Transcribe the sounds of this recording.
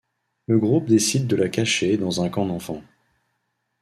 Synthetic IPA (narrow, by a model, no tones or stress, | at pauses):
ləɡʁup̚d̪esid̪̚ːəlakaʃed̪ɑ̃zɛ̃kɑ̃d̪ɑ̃fɑ̃